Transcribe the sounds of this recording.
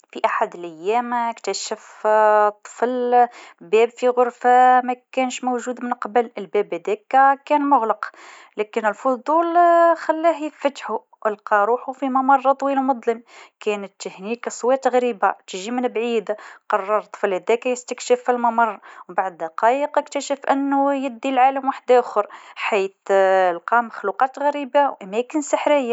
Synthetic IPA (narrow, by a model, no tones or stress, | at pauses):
fiʔaħad̪əlʔæjːæːmkt̪æʃəft̪ˤːfəlbæːbfiɣʊɾfamækæːnʃmowʒuːd̪mənqɑbələlbæbhæd̪ækækænmʊɣlɑq | lækənəlfʊd̪ˤuːlxælːæhjəfæt̪ħu | ʔəlqɑɾˤuːħufimɑmɑrˤːɑt̪ˤwiːlmʊd̪ˤləmkænət̪ːəhniksˤwɑt̪ɣæɾiːbat̪ʒimənbʕiːd̪qɑrˤːɑɾˤt̪ˤːflhæd̪ækæjəst̪əkʃəfilmɑmɑrˤːwbaʕd̪ɑqɑjəqəkt̪əʃəfʔənːʊjəd̪ːilʕaːləmwaħd̪aʔxʊɾˤħiːθlqɑməxluqɑt̪ɣæɾiːbawʔæmækənsəħɾəjːa